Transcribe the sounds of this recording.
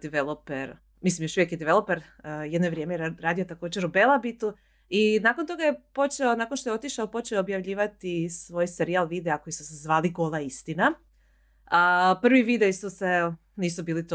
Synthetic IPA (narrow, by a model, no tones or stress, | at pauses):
d̪iʋelˠopeɾ | mislimjo̞ʃuʋjeked̪iʋelˠopeɾ | jed̪noeʋɾjemejeɾaːd̪iot̪ako̞ːd͡ʑeɾube̞lˠabit̪u | inaːkont̪o̞ɡaje̞po̞t͡ʃeonaːkonʃt̪oeot̪iʃaopo̞t͡ʃeoːbjaʋʎiːʋat̪isʋojseɾialˠʋid̪eako̞jsu̥sezʋaːliɡo̞lˠaist̪ina | əpr̩ʋiʋid̪e̞isuse | niːsubiːlit̪o